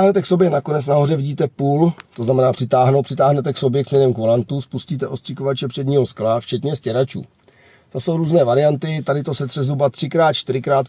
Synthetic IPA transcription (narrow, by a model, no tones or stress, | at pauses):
ɦnɛt̪ɛkso̞bjɛnako̞nɛt͡snaɦo̞rɛvɪɟiːt̪ɛpuːlt̪oznamɛnaːpr̥ɪt̪aːɦnowpr̥ɪt̪aːɦnɛt̪ɛkso̞bjɛkzmɲɛnɛmkvolant̪uspusciːt̪ɛʔo̞st̪r̥ɪkovat͡ʃɛpr̥ɛdɲiːɦo̞sklaft͡ʃɛt̪ɲɛscɛɾat͡ʃṵː | t̪aso̞wɾuːznɛːvaɾɪjant̪ɪt̪adɪt̪o̞sɛt̪r̥ɛzɦɾubat̪r̝̥ɪkɾaːt̪t͡ʃt̪ɪɾɪkɾaːt̪